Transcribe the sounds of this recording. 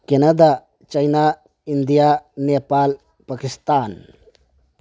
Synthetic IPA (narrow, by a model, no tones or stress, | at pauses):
kenɐd̪a | t͡ʃɐjna | ind̪ijaneːpaːl | pakist̪aːn